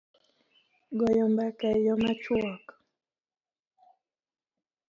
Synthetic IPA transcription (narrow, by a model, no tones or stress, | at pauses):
ɡɔjɔmbakajɔmat͡ʃuɔk